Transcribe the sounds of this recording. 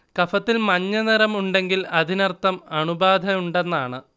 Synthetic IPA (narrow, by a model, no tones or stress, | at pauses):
kɐfɐt̪ːilmɐɲːɐniɾɐmuɳɖe̞ŋɡilɐd̪ʱinɐrt̪ːɐmɐɳubaːd̪ʱɐjuɳɖe̞nːaːɳɨ